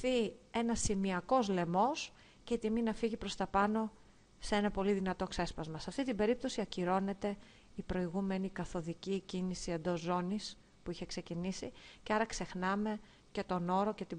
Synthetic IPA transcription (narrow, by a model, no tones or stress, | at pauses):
θie̞nɐsimiɐko̞zle̞mo̞s | ceit̪iminɐfiʝipɾo̞st̪ɐpɐno̞ | see̞nɐpo̞liðinɐt̪o̞kse̞spɐzmɐsɐft̪it̪ibe̞ɾip̚t̪o̞siɐciɾo̞ne̞t̪e̞ | ipɾo̞iɣume̞nikɐθo̞ðicicinisie̞nd̪o̞zːo̞nis | puiçe̞kse̞cinisiceɐɾɐkse̞xnɐme̞ | ce̞t̪o̞no̞ɾo̞ce̞t̪i